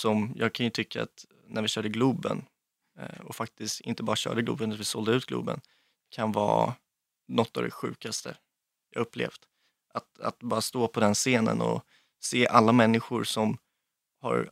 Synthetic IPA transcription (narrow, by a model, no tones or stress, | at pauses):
sɔmjɑːɡ̚kʰanjɵt̪ʰʏkːaa̰t̪ | nʔæɾvɪɕœːɖəɡluːbə̰n | ɔfak̚t̪ɪst̪ɪnt̪əbɑːɾaɕœ̰ːɖəɡlʉ̰ːbənavɪsɔld̪əʉ̟ːt̪ɡlṵːbə̰n | kʰanvɑ̰ː | nɔt̪ːɑvd̪ɛɧʉ̟̰ːkast̪ə | jɑːɡɵpːlḛːfd̪ | ʔat̪a̰t̪bɑːɾast̪oːpʰɔd̪ɛnseːnə̰nɔ̰ | seːʔalːamɛnːɪɧʊɾsɔm | ha̰ɾ